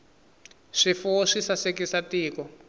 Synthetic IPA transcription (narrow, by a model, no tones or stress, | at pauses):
ʂifuʂisasekisatiːkɔ